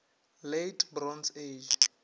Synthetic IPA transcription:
letʰʼbrɔnsed͡ʒ

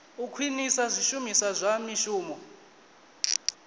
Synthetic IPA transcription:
ukʰwinisazʷiʃumisazʷamiʃuːmɔ

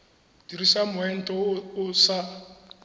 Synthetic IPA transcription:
diɾisamʊɛn̩tʼɔʊsa

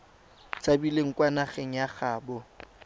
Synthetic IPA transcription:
t͡sʼabileŋ̩kʼwanaχeŋ̩jaχaːbʊ

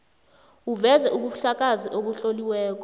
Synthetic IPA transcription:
uvɛzɛʔuɓuɬak̬ʼaziʔoɓ̬uɬoliwɛːk̬ɔ

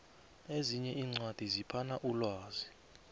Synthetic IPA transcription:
eziɲɛʔiːŋ͡ǀwad̥ʱizipʰanaʔulwaːzi

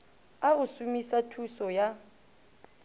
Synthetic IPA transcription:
aʊsumisatʰusɔja

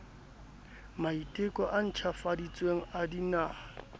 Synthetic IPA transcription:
maitʼɪkʼɔʔan̩t͡ʃʰafadit͡sʼweŋ̩adinaː

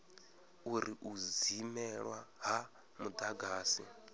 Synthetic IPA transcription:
uɾiʔuzimɛɺwaɦa | mud̪aɡaːsḭ

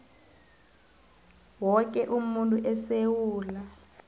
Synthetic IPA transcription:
wɔk̬ɛʔumuntʼuʔɛsewuːla

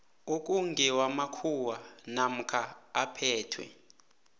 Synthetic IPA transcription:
ok̬ʼuŋɡɛwamakʰuwanam̩kʰaːpʰɛːtʰwɛ̰

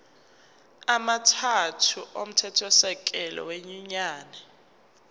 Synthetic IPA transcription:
amatʰatʰuʔom̩tʰɛtʰɔsɛk̬ʼɛlɔ̰weɲuɲaːnɛ

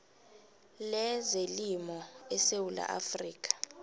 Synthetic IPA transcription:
lɛzelimɔɛsewula̰ʔafriːk̬ʼḁ

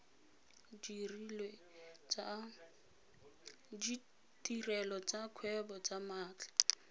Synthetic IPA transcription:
d͡ʒirilwɛ | d͡ʒi | tirɛlɔt͡sakʰwɛbɔt͡samaːt͡ɬḁ

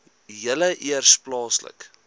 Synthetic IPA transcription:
jələʔiərsplɑːslə̰k

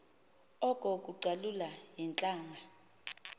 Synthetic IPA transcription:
ɔkʼɔk̬ʼuǀalulajɛnt͡ɬʼaːŋʱa

